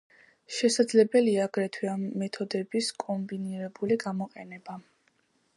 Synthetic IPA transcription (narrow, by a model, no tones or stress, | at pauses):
ʃɛsad̪zlɛbɛliaːɡɾɛt̪ʰwiamːɛt̪ʰɔd̪ɛbiskʼɔmbiniɾɛbuliɡamɔqʼɛnɛba